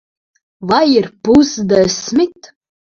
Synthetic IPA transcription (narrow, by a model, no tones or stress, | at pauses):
vajirpuzd̪ɛsmit̪